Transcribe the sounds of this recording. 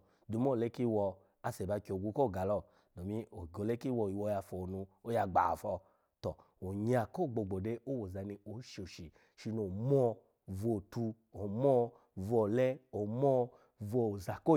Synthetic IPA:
du˨˦m˦ɔ˦˨le˦ki˦wɔ˧ | a˧sɛ˨ba˧ki˧o˨ɡʷu˧˦ko˦˨ɡa˨lɔ˧˦˨ | nɔ˨mi˧˦o˨o˨le˦ki˦wɔ˧˨i˨wɔ˧˨˧ja˧fɔ˨nũ˧o˦ja˧ɡ͡ba̰˨fɔ˧ | tɔ˨ | o˨ɲa˨ko˦˨ɡ͡bo˧˨ɡ͡bo˨de˧o˦wo˨za˧ni˧o˨˦ʃi˧o˨ʃi˨ | ʃi˧no˨mɔ˦˧ | vo˨tu˧ | o˨mɔ˦ | vo˨lɛ˦o˨mɔ˦ | vo˧˨za˨ko˦

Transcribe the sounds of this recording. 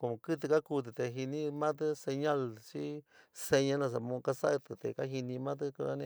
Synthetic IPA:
ko˧˨mõ˧kɨ˦t̪̬ɨ˧ka˦ku˧t̪̬ɨ˧˨t̪e˨ɦi˧nĩ˦mã˦t̪̬ɨ˦se˧ɲã˦lt͡ʃi˦se˧ɲã˦lã˧s̬a˨mõ˧ka˧sa˦˧t̪ɨ˧t̪e˨ka˦ɦi˧nĩ˧mã˦t̪̬ɨ˦ku˧ã˧nḛ̃˧˦

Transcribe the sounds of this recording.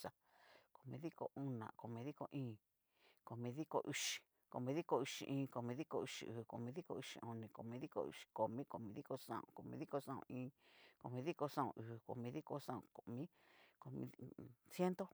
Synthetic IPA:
sa˧ | ko˨mĩ˧ði˦ko̰˧u˦nã̰˨ko˨mĩ˧ði˦ko˧ʔĩː˦˨ | ko˨mĩ˧ði˦ko̰˧ʔi˧ʃi̥˨ | ko˨mĩ˧ði˦ko˧i˧ʃḭ̃˧ʔĩː˧ko˨mĩ˧ði˦ko˧i˧ʂḭ˧ʔɨː˨ko˨mĩ˧ði˦ko˧i˧ʃḭ̃˧õ˧nĩ˧˨ko̰˨mĩ˧ði˦ko̰˧ṵ˧ʃi̥˨ko˨mĩ˦ko˨mĩ˧ði˦ko˧sã̰˧˨õ̰˧˨ko˨mĩ˧ði˦ko˧sã˦˨õ̰˧ʔĩː˦ko˨mĩ˧ði˦ko˧sã˦õ̰˧˨ʔɨː˨ko̰˨mĩ˧ði˦ko˦sã˦õ̰˧ko˧˨mĩ˦ | ko˨mḭ̃˧sje˦nt̪o˦

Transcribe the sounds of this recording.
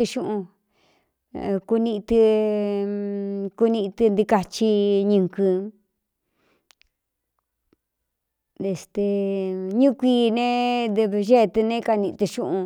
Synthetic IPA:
ɨ˧ʃũ˦˧ʔũ˧ | ku˧nĩ˧ʔt̪ɨ˧ | ku˧nĩ˧ʔt̪ɨ˧nd̪i˧ka˧t͡ʃi˧ɲɨ̃˧ŋkɨ˧ | e˧˨st̪e˧ɲũ˦˧kʷiː˧nẽ˦d̪βʒe˦˧t̪ɨ˧nẽ˦ka˧nĩ˧t̪ɨ˧ʃũ˦ʔũ˧

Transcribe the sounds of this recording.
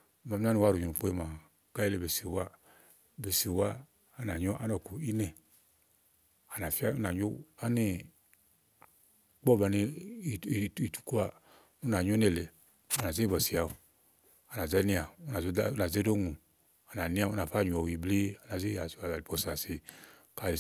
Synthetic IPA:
ma˨m˦a˦ni˧wa˦ɾu˨ɲu˨u˨k͡po˦i˦ma˨ | ka˦i˦le˨be˨si˨wa˦ | be˨si˨waː˦˨ | na˨ɲo˦ʔa˦nɔ˨ku˨i˦nɛ˨ | a˨na˨fi˦a˦u˦na˨ɲo˦a˦ni˦ | k͡pɔ˦ba˨˧ni˧˨ | i˨tu̥˨ku˦a˧ | u˦na˨ɲu˦ne˧˨le˨ | u˦na˨ze˦bɔ˨si˨a˨u˨ | a˨na˨zɛ˦ni˦a˨u˦na˨˦na˨ze˦do˦ŋu˨ | a˨na˨ni˦a˦˨u˦na˨fa˦˨ɲu˨ɔ˨i˨ble˦a˨na˨ze˦a˨a˨a˨i˨bɔ˨sa˨si˨ | ka˨

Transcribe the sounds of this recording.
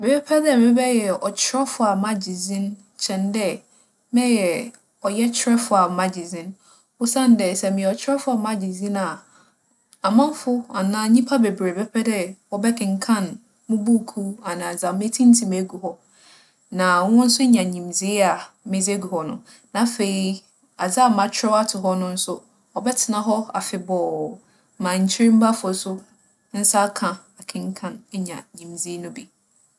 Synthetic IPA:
mɛ˨bɛ˦pʰɛ˦dɛ˦˨mɪ̃˦bɛ˦jɛ˨ɔ˨t͡ɕʰɪ˦ɾɛ˦fʊ˨˦a˨mã˦d͡ʑi˨zĩ˦n | t͡ɕʰɛ̃˨ndɛ˦ | mɛ̃˦jɛ˨ | ɔ˨jɛ˦t͡ɕʰɪ˦ɾɛ˦fʊ˨a˨ma˨d͡ʑi˨zĩ˦n | ʊ˦sã˦˨n˦dɛ˨sɛ˨mɪ̃˨ɛ˨ɔ˨t͡ɕʰɪ˦ɾɛ˦fʊ˦a˨mã˦d͡ʑi˨zĩ˦na˨ | a˨mã˦m˦fʊ˦a˨nãː˦ɲĩ˦pʰa˦be˨bɾe˨bɛ˦pʰɛ˦dɛ˦wɔ˦bɛ˦kɪ̃˨ŋ̩˨kʰã˦˨n | mʊ̃˦bu˦˨kʰu˦a˨nã˨d͡za˨me˦tʰĩ˦n̩˦tʰĩ˨me˨˦ɡu˨ɦɔ˦ | nã˨˦wʊ̃˦n̩˦sʊ˦ɲã˨ɲĩ˨md͡zi˦a˨ | mɪ̃˦d͡ze˦ɡu˨hɔ˦nʊ̰̃˦ | nã˨˦fe˨i˦ | a˨d͡za˦˨mã˨t͡ɕʰᶣɪ˦ɔ˦a˦tʰɪ˨ɦɔ˦nʊ̃˦n̩˦sʊ˦ | ɔ˨bɛ˦tʰɪ˨nã˨ɦɔ˦a˨fɪ˨bɔː˨ | mã˨ɲ̩˨t͡ɕʰi˦ɾĩ˦m̩˦ba˦fʊ˨˦sʊ˦ | n̩˦sa˦kʰã˨a˨kʰɪ̃˦ŋ̩˦kʰã˦˨n˦ɲã˨ɲĩ˨md͡zi˦nʊ̃˦bi˨

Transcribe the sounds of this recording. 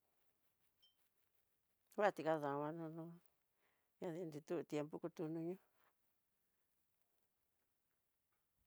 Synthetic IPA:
wa˦˨t̪i˨˧ka˦ðã˨˧βa˧nũ˧nũ˦ | ɲã˧ði˧nd̪i˧t̪u˦u˧t̪je˧mpu˦ku˧t̪u˧nũ˧ɲũ˦

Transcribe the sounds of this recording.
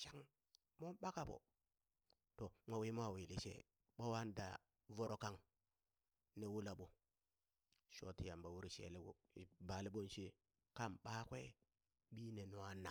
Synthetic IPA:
ʃa˦ŋ | mo˦mɓa˦ka˨bo̰˨ | to˨mʷo˨wi˦m˦a˦˨wi˨li˦ʃḛ˦ | ɓo˦wa˦n˦da̰˨ | vo˦ɾo˦ka˦ŋ | ne˦wu˦la˨ɓu˦ | ʃo˦ti˨ja˨mba˨wu˦ɾi˨ʃḛ˨li˦u˦˨ba˨li˦ɓo˦nʃi˦ | ka˦mɓa˦kʷḛ˦ | ɓi˦ne˨nu˨wa˦na̰˨

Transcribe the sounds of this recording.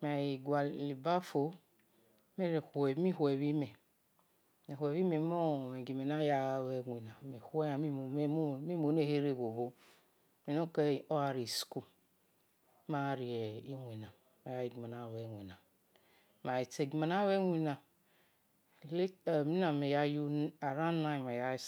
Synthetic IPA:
me˨ji˨ɡʷa˨li˨ba˦fo˨ | me˦ɾhmi˦hwe˨βi˦me˨ | me˨hwe˨βi˦me˨mo˦˨me˨ɡi˨me˨na˦ja˦˨we˨˦ŋʷi˨na˨me˨he˦a˨mi˦˨˦mi˦mo˨˦ne˦he˦ɾe˦˨ɡo˨bo˦ | me˨no˦ke˦˨o˦a˨ɾi˨sku˦ | ma˦˨ɾi˨e˨i˦ŋʷ˨i˨na˨ | ma˨ja˦ji˨ɡi˨ma˨na˨we˨wʷi˨na˨ | ma˨i˨te˨ɡi˨ma˨na˦we˦wʷi˨na˨ | le˦˨mi˦na˨me˨ja˦ju˦a˨ɾa˦na˦i˨ma˨ja˦

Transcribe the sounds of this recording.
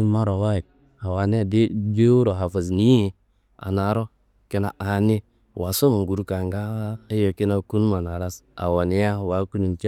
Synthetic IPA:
ma˦ɾo˨wa˦ji˨k̚ | ha˨wa˨ne˦˨dde˦wu˦ɾo˨ɦa˨fa˨zni˦i˨ | a̰˨na˨˦ɾo˦ | ke˦na̰˨ʔa˨ni˦˨ | wa˨so˦ma˨ŋɡu˨ɾu˦ka˨ŋɡa˦e˦jo˨ki˦na˦ku˦n˦ma˨na˨ɾa˦s | a̰˨wa˨ni˦ja˦a˨wa˨˦ku˦ni˨t͡ʃ

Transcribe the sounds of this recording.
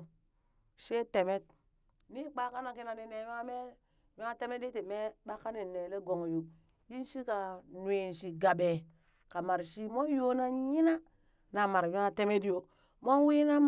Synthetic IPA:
ʃe˦te˨me˦t̚ | ni˦k͡pa˦ka˦na˨ki˦na˨ni˦ne˨wi˦ŋa˦me˦ | wi˦ŋa˦te˦me˦di˦ti˨me˦ɓa˦ka˦ni˨ne˨le˦ɡo˨ŋ˨ju˨ | ji˦n˦ʃi˦ka˨n˨e˨n˨ʃi˨ɡa˨be˨ | ka˨ma˨ɾʃi˦mo˦jo˦na˦ɲi˦na˦ | na˨ma˨ɾwi˦ŋa˦te˦me˦di˦jo˨ | mo˦n˦wi˦na˦m

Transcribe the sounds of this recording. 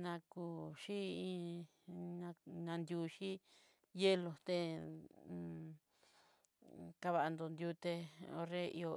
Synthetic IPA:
nã˧ku˧ʃi˦ĩ˧ | ɲã˧ɲã˧nd̪ʲju˧ʃi˦ | je˦lo˧t̪e˧ | ka˧βa˧ʔa˧nd̪o˧nd̪ju˧t̪e˧o̰˧re˦ḭ˧o˧

